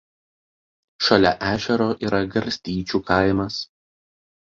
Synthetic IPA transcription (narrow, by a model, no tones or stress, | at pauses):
ʃɐlʲɛʔæːʒʲɛɾoːʔiːɾɐɡɐɾʲsʲt̪ʲiːt͡ʃʲuːkɐˑɪmɐs